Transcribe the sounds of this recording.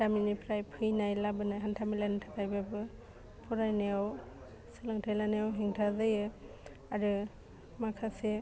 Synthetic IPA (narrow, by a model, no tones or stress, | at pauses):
taminipʰɾajpʰɯjnajlabɯnajɦantʰamilanɯtʰakajbabɯ | pʰɔɾajnejaw | sɯlaŋtʰajlanejawɦiŋtʰazɯjɯ | aɾɯ | makʰase